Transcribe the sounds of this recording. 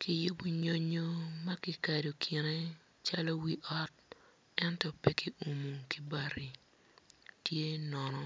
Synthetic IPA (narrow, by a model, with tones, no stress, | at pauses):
ki˨jʊ˦bo˦ɲo˦ɲo˦ma˦ki˨ka˨do˨kʰi˨ne˦ | t͡ʃa˦lɔ˦wi˨ʔɔ˦t̚ | ɛ˦ntɔ˨pɛ˦ki˦ʔu˨mu˨ki˦ba˨ɾi˨ | tje˦nɔ˨nɔ˦